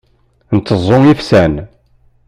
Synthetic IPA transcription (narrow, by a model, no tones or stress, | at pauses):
nt̪ːəzˤːoifsæn